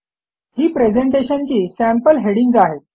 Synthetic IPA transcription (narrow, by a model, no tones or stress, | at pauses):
hiːpɾed͡zeɳʈeɕənt͡ɕiːsæmpəlɦeɽiŋɡd͡zaɦe